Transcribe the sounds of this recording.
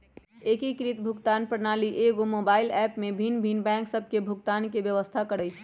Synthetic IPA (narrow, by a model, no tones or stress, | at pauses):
ekikɾit̪bʱukt̪anpɾənaliʔeɡomobailɛpmebʱinbʱinbɛ̃ŋksəbʱkebʱukt̪ankebjəʋəst̪ʰakəɽɛjt͡ʃʰ